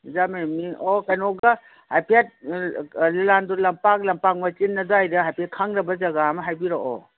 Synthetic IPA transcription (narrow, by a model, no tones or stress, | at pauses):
zamemiokajnɔɡa | hajpʰiat̚ | lilandulɐmpak̚lɐmpak̚mɐt͡ʃinːɐdoajɾɐajpʰiakʰaŋɾɐbɐzɐɡamɐɦajbiɾoʔo̰